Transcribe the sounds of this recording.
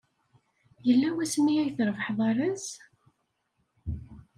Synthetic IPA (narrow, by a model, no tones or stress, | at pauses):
jəlːæwæsniæjθɾəvəħðˤɑɾˤəs